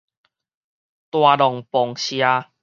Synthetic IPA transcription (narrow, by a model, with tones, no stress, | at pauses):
t̪wa˧dɔ˨˩ŋpɔ˨˩ŋɕja˧